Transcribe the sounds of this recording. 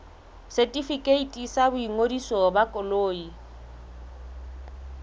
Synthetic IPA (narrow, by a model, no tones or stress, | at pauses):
setʼifikʼeitʼisabʊiŋodisɔbakʼɔloːi